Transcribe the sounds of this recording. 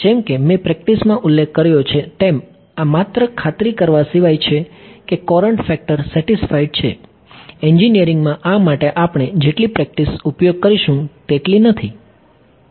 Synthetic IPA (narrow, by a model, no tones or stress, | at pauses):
d͡ʒɛmkemepɾɛk̚ʈismãʔulːekʰːəɾjot͡ʃʰet̪em | amat̪ɾəkʰat̪ɾikəɾʋasiʋajt͡ʃʰekekɔɾəɳʈfɛk̚ʈəɾsɛʈisfaiɖt͡ʃʰḛ | ɛɲd͡ʒinijəɾiŋɡmãʔamaʈeʔapɳ̃ed͡ʒeʈlipɾɛk̚ʈisupjoɡ̚kəɾiʃũt̪eʈlinət̪ʰi